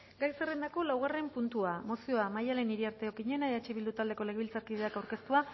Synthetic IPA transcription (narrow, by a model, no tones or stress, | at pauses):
ɡajserend̪ako̞lawɣ̞are̞mpunt̪uamo̞sio̞amajale̞niɾiaɾt̪e̞okiɲe̞naeat͡ʃeβild̪ut̪ald̪e̞ko̞le̞ɣilt͡saɾkið̞e̞akawɾke̞st̪ua